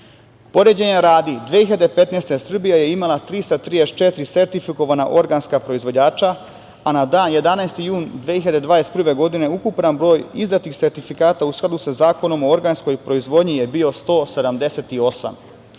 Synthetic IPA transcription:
po̞ɾed͡ʑeɲeɾaːd̪id̪ʋeiʎad̪epe̞t̪nest̪esr̩bijeje̞imalat̪ɾist̪at̪ɾijest͡ʃe̞t̪iɾise̞ɾt̪ifiko̞ʋanaʔo̞ɾɡanskapɾo̞izʋod͡ʑaːt͡ʃaː | nad̪aːnje̞d̪anajst̪ijuːnd̪ʋehiʎad̪ed̪ʋaːest̪pr̩ʋe̞ɡo̞d̪ine̞ukupnanbɾo̞ːjizd̪at̪ixse̞ɾt̪ifikaːt̪ausklˠad̪usazaːko̞no̞mo̞o̞ɾɡansko̞jpɾo̞izʋo̞d̪ɲijebio̞st̪o̞ːse̞d̪amd̪e̞se̞t̪io̞sa̰m

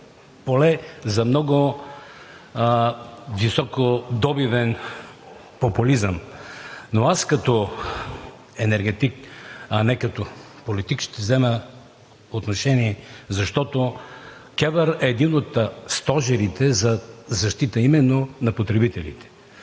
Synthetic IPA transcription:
polɛzɐmnɔɡʊ | visɔkod̪ɔbivɛn | populizəm | noaskɐt̪ɔ | ɛnɛɾɡɛt̪ikɐnɛkɐt̪o | polit̪ikʃt̪ɛvzɛmə | ot̪noʃɛniɛzɐʃt̪ɔt̪okɛvəɾɛːd̪inot̪st̪ɔʒɛɾit̪ɛzɐzɐʃt̪it̪əimɛnːonɐpot̪ɾɛbit̪ɛlḭt̪ɛ̥

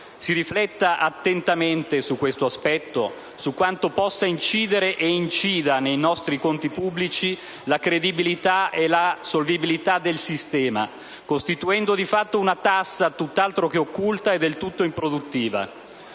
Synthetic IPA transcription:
siɾiflɛt̪ːaʔat̪ːent̪ament̪esukːwest̪oaspɛt̪ːo | sukwant̪opɔsːaint͡ʃiːd̪eɾeʔeint͡ʃiːd̪anejnɔst̪ɾikont̪ipubːlit͡ʃi | lakɾed̪ibilit̪aelasolvibilit̪ad̪ːelsist̪ɛːma | kost̪it̪uɛnd̪od̪ifat̪ːounat̪asːat̪ut̪ːalt̪ɾokeokːult̪aed̪elt̪ut̪ːoimpɾod̪ut̪ːiːva̰

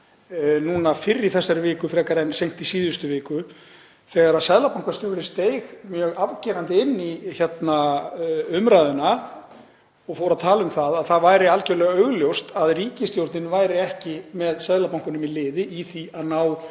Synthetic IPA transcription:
nuːnafɪrːɪ̥θɛsːaɾʏvɪːkʏfɾɛːkaɾɛjnsejŋ̥t̪isiːðʏst̪ʏvɪːkʏ | θɛːɣaɾaðsɛðlapawŋkḁst̪œɣɾɪst̪ejɣmjœːɣavcɛːɾant̪ɪɪnːiçɛt̪na | ʏmɾaːðʏna | ɔɣfowɾaðt̪ʰaːlʏmθaðaðθaðvaːjɾɪalcɛɾlɛɣaœɣljowst̪aðriːcɪst̪jowɾt̪nɪnvaːjɾɪɛhcɪmɛðsɛðlapawŋkʏnʏmilɪːðɪʔiθiaðnaw

